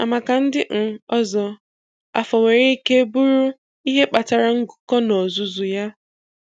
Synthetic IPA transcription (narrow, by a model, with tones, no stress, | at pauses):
a̰˨ma˨ka˨n̩˦dɪ˦ŋ̩˨ɔ˦zɔ˨ | a̰˨fɔ˨wʷe˨ɾe˦i˦ke˦bu˦ɾu˦ | i˦ɦe˦k͡pa˨ta˨ɾa˨ŋ̩˦ɡʊ˨kɔ˦nɔ˨zu˨zu˨ja˦